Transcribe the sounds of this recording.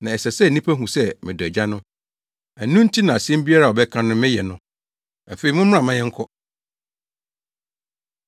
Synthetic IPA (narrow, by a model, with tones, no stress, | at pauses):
nã˨ɛ˨sɛ˨sɛ˦˨nĩ˦pʰæ˦ɦũ˨sɛ˦mɪ̃˨dd͡ʑa˦nʊ̃˦ | æ˨nũ˦n̩˦tʰi˦nã˨a˨sɛ̃˦m˦bi˦a˦ɾa˨ɔ˨bɛ˦kʰã˦nʊ̃˦mɪ̃˦jɛ˨nʊ̃˦ | a˨fe˨i˨mʊ̃˦m˦ã˨mã˦jɛ̃˦ŋ̩˦kʰɔ˦